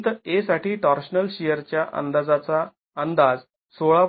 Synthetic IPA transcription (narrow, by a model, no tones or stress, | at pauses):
t̪esaʈiːʈɔɾɕnəlɕijəɾt͡ɕjaʔə̰nd̪ad͡zat͡sa | ənd̪ad͡z | soɭa